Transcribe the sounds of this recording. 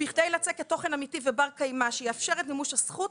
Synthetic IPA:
biχdejlat͡seketːo̞χe̞namitivebaʁkajmaʃejeafʃe̞ʁetnimuʃhasχut̚

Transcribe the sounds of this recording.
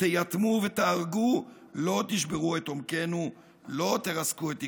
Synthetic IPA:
tejat̪muvet̪eaʁɡu | lo̞t̪iʃ̬beʁue̞t̪omke̞nu | lo̞t̪eʁaskuet̪i

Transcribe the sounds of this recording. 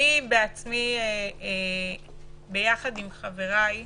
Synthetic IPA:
ibeat͡smie | be̞jaχadimχave̞ʁaj

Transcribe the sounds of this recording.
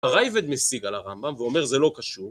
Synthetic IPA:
aʁajved̪mesiɡalaʁambamveo̞meʁzɛlo̞kaʃuʁ

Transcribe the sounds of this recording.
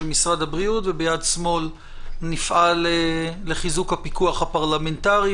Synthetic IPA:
misʁad̪habʁiutvebejadsmo̞l | nifʔaleleχizukhapikuaχhapaʁlamentaʁi

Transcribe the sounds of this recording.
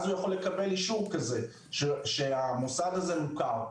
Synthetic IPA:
zujaχo̞lːekabe̞liʃuvkaze | ʃeʃeamusadaze̞mukaʁ

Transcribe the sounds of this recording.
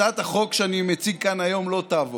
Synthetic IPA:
at̪aχo̞kʃeanimet͡siɡ̚kanajo̞mlo̞t̪aːvo

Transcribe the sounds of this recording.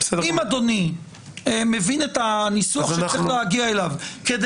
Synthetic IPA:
esedimad̪o̞ni | emevinetanisuaχʃeleaɡiaelavked̪

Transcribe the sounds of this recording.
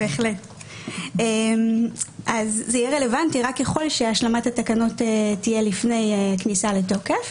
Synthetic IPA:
beːχle̞t | emʔazːeijɛʁe̞le̞vantiʁakjaχo̞lʃeaʃlamathatakano̞tetːije̞lifne̞jeknisaleto̞kef

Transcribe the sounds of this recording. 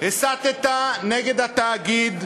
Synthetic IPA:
hesat̪et̪aneɡed̪at̪aːɡid̪

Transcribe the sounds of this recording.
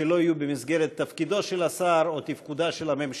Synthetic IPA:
elo̞ijubemisɡe̞ɾet̪ːɐfkid̪o̞ʃelasaɾot̪ifkud̪aʃelame̞mʃ

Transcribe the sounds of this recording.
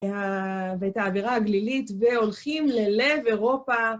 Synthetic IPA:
aveetaːviʁahaɡlilitve̞o̞lχimle̞le̞ve̞ʁo̞pa

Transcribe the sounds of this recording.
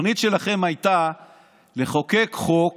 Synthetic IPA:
nit̪ʃe̞laχe̞majt̪a | le̞χo̞ke̞kχok

